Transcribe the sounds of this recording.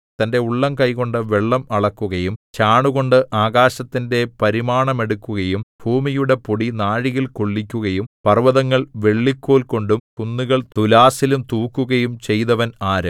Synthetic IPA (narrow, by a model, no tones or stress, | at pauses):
t̪ɐnde̞uɭːɐmkɐjko̞ɳɖɨʋe̞ɭːɐmɐɭɐkːuɣɐjumt͡ɕaːɳuɣo̞ɳɖɨʔaːɣaːɕɐt̪ːinde̞pɐɾimaːɳɐme̞ɽukːuɣɐjumb̥ʱuːmijuɽe̞poɽinaːɻijilkoɭːikʲːuɣɐjumpɐrʋɐðɐŋːɐɭʋe̞ɭːikʲːoːlko̞ɳɖumkunːuɣɐɭt̪ulaːsilumt̪uːkːuɣɐjumt͡ɕe̞jt̪ɐʋɐnaːɾɐ